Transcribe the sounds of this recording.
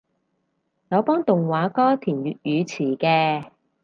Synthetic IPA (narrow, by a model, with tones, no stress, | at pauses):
jɔ˨˧˥wpɔː˥ŋt̪ʊ˨ŋwaː˨˥kɔː˥t̪ʰiː˨˩njyː˨t̚jyː˨˧t͡sʰiː˨˩kɛː˧